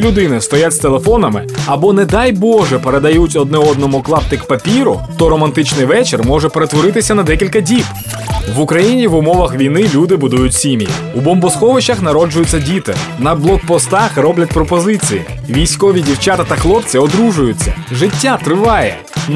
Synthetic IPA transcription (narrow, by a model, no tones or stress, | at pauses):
lʲʊd̪ɪnɪst̪ɔjatʲst̪elˠe̞fɔnɐmɪ̰ɐbɔnɛd̪ɑjbɔʒɛpeɾe̞d̪ɐjutʲɔd̪̚nɛɔd̪nɔmʊklˠɑpt̪ɪkpɐpʲiɾʊt̪ɔɾɔmɐnt̪ɪt͡ʃnɪjʋɛt͡ʃermɔʒɛpeɾet̪ʋɔɾɪt̪ɪsʲɐnɐd̪ɛkʲilʲkɐdʲip | ʋʊkɾɐjinʲiʋʊmɔʋɐxʋʲijnɪlʲud̪ɪbʊd̪ujʊtʲsʲimʲijḭ | ubɔmbɔskɔʋɪt͡ʃɐxnɐɾɔd͡ʒʊjʊt͡sʲːɐdʲit̪ɪ̰nɐblˠɔk̚pɔst̪ɑxrɔblʲɐt̚ʲpɾɔpɔzɪt͡sʲijḭ | ʋʲijsʲkɔʋʲidʲiwt͡ʃat̪ɐt̪ɐxlˠɔpt͡sʲiɔd̪ɾuʒʊjʊt͡sʲːɐ̰ʒɪtʲːat̪ɾɪʋɑjɛ̰